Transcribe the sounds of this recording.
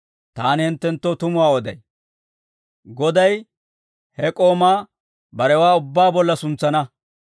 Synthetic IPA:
t̪aːnhɪnt̪ːɛnt̪ːoːt̪ʊmʊwaːɔd̪ɐ̰j | ɡɔd̪ɐj | hɛkʼo̞ːmaː | bɐɾɛwaːʊbːaːbɔlːɐsʊnt͡sːɐnɐ

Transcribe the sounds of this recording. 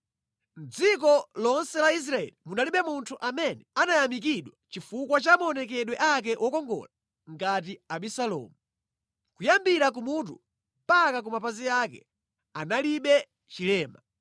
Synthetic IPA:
nd͡zik̬ɔlɔnsɛlais̬ɾaɛ̰limunaliɓɛmuntʰuʔamɛnɛanajamik̬iɗwat͡ʃifukwat͡ʃamɔnɛk̬ɛɗwɛʔak̬ɛʔɔkɔŋɡɔ̰la | ŋɡat̬iaɓisalɔ̰ːmu | kujambiɾak̬umut̬ṵ | mpakak̬umapaziakɛ̰ | analiɓɛ | t͡ʃilɛːma

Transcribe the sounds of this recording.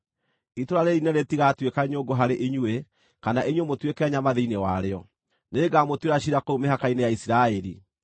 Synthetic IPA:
itoɾaɾɛɾineɾetiɣatwekaɲoɡoɦaɾeʔeɲwe | kanaʔeɲwemotwekɛɲamaðeinewaɾeɔ | neːɡamotweɾaɕiɾakoumeɦakainejaisiɾaɛɾi

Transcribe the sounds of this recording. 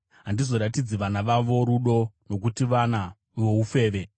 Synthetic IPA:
ɦandizo̞ɾatid͡ziʋanaʋaʋo̞ɾuɗo̞no̞k̬utiʋana | ʋo̞ufe̞ːʋe̞

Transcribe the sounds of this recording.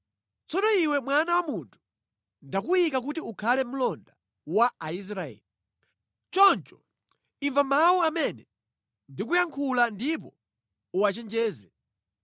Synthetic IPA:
t͡sɔnɔiwɛmwanawamuntʰu̥ | ndakuikak̬utiukʰalɛm̩lɔnda | waais̬ɾaɛ̰ːli | t͡ʃɔnt͡ʃɔ̥ | iɱvamawuamɛnɛ | ndik̬ujaŋkʰulandip̬ɔ | uwat͡ʃɛnd͡ʒɛːzɛ

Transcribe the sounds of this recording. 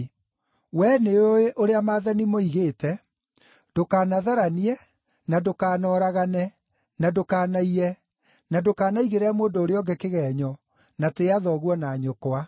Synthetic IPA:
wɛneoeʔoɾeamaːðanimoiɣetɛ | d̥okaːnaðaɾaniɛ | nadokaːnɔːɾaɣanɛ | nadokaːnaiɾɛ | nadokaːnaiɣeɾɛmwoːndɔoɾeɔɡɛkeɣɛːɲɔ | nateaðɔɣwɔnaːɲokwa

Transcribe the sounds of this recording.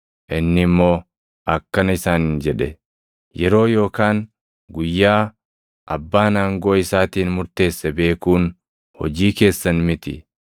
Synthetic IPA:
ʔɪnːɪmːo̞ː | ʔɐkːɐnɐɪsaːnnd͡ʒɛᶑɛ | jɛɾo̞ːjo̞ːkaːn | ɡʊjːaː | ʔɐbːaːnaːŋɡo̞ːɪsaːt̪iːnmʊɾt̪e̞ːsːɐbe̞ːkuːn | hɔ̰d͡ʒiːke̞ːsːɐnmɪt̪ɪ̰

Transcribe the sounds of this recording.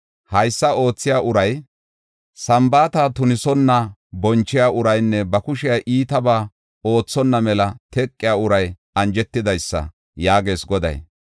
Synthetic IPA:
hɐjsːɐo̞ːt͡sːɪjaːʔʊɾɐj | sɐmbaːt̪aːt̪ʊnɪsɔnːɐbɔnt͡ʃːɪjaːʔʊɾɐjnːɛbɐkʊʃɪjaʔiːt̪ɐbaː | o̞ːt͡sːɔnːɐmɛlɐt̪ɛkʼːɪjaːʊɾɐj | ɐnd͡ʒɛt̪ːɪd̪ɐjsːɐ̰ | jaːɡe̞ːsɡɔd̪ɐ̰j

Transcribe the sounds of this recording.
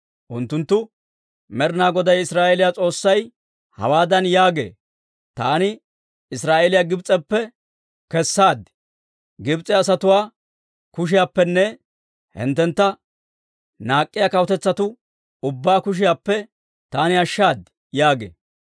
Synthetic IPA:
ʔʊnt̪ːʊnt̪ːʊ | mɛɾnaːɡɔd̪ɐjɪsɾaːʔɛlɪjat͡sʼo̞ːsːɐj | hɐ̰waːd̪ɐnjaːɡḛː | t̪aːnɪ | ɪsɾaːʔɛlɪjaɡɪbt͡sʼɛpːɛ | kɛsːaːd̪ | ɡɪbt͡sʼɛɐsɐt̪ʊwaː | kʊʃ̬ɪjapːɛnːɛ | hɛ̰nt̪ːɛnt̪ːɐ | naːkʼːɪjakɐwɔt̪ɛt͡sːɐt̪ʊ | ʊbːaːkʊʃ̬ɪjaːpːɛ | t̪aːnɪɐʃːaːd̪ | jaːɡḛː

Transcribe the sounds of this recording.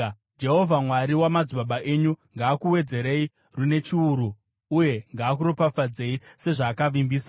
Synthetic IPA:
d͡ʒe̞ɦo̞vʱamwaɾiwamad͡ziɓaɓaʔe̞ɲuŋɡaːkuwe̞d͡ze̞ɾe̞i | rune̞t͡ʃiuɾu | uje̞ŋɡaːk̬uɾopafad͡ze̞ise̞ʐaːkaʋimbiːsa

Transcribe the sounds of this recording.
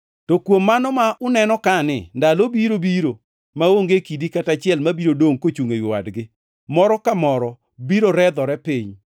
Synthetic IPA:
tɔkwomːanɔmaʔʊnɛnɔkanɪ̰ndalobiɾobiɾo | maoŋɡekidikatat͡ʃɪɛlmabiɾodoŋkot͡ʃuŋejʊwa̰dɡɪ | mɔɾɔkamɔɾɔ | biɾoɾɛd̪ɔɾɛpiɲ

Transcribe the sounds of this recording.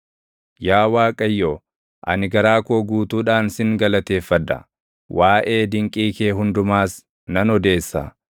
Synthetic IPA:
jaːwaːkʼɐjːo | ʔɐ̰nɪɡɐɾaːkoːɡuːt̪uːᶑaːnsɪŋɡɐlɐt̪e̞ːfːɐd̪ɐ̰ | wʔaːʔe̞ːd̪ɪŋkʼiːkeːɦʊnd̪ʊmaːs | nɐnɔd̪e̞ːsːɐ̰

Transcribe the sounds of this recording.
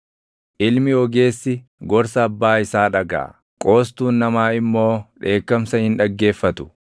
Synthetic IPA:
ʔɪlmɪɔɡe̞ːsːɪ | ɡɔɾsɐːbːaːɪsaːᶑɐɡa̰ː | kʼo̞ːst̪uːnːɐmaːɪmːo̞ːᶑe̞ːkːɐmsɐhɪnᶑɐɡːe̞ːfːɐt̪ʊ̥

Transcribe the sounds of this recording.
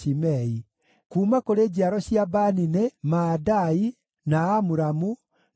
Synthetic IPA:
imɛi | kuːmakoɾeːd͡ʑiaɾɔɕjiabaninemaːdai | naːmuɾamu

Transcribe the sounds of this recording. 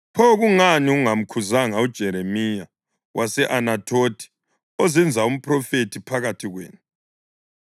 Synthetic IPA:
pʰɔɣuŋaniuŋam̩kʰuzaŋaud̥ʒ̥ʱɛɾemija | wʔasɛʔanatʼʰoːtʼʰi̥ | ɔzɛnd͡zʱaum̩pʰʼrɔfetʰipʰaɣatʰiɣwḛːnu

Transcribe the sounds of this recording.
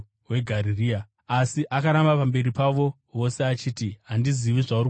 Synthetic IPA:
we̞ɡʱaɾiriːa | asiʔakaɾambapambe̞ɾipaʋo̞ | ʋo̞se̞at͡ʃiːtiɦandiziʋiʐauri

